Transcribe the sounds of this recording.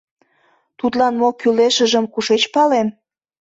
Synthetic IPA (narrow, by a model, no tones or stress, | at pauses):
t̪ut̪lɑnmokyleʃə̆ʒəmkuʃet͡ɕpɑlem